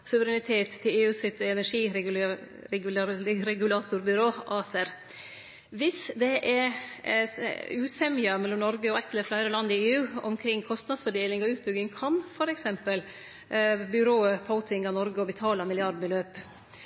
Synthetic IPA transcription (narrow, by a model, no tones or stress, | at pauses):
sʉʋəɾɛnɪt̪ʰeːt̪ʰːɪleːʉːsɪt̪ɛnæʂiːɾ | ɾɛɡʉlɑːt̪ʊɾbʏɾoːʔɑːsəɾ | ʋɪsd̪ɛʔɛ | ʉːsɛmɪɑmɛlːɔmnɔɾɡəɔɛt̪ələɾflæɪɾəlɑnd̪ɪeːʉːɔ̰mkʰɾɪŋːkʰɔst̪nɑd̪sfɔɖeːlɪŋɔʉːt̪̚bʏɡɪŋkʰɑnfɔɾɛksɛmpəl | bʏɾoːəpʰaʊt̪ʰɪŋɑnɔɾɡəɔbət̪ʰɑːlɑmɪlɪɑɾɖbəløːp